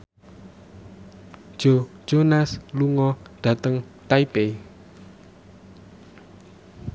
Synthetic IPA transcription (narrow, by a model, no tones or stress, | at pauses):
ʒ̥o̥d͡ʒ̥onasluŋɔd̪̥ä̤t̪əŋ | t̪aipe